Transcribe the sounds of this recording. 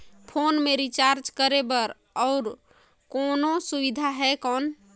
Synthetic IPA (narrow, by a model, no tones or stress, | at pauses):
pʰonmeɾit͡ʃaɾt͡ʃkəɾebəɾ | ɔʊɾ | kɔnosubid̪ʱaɦɛkɔːn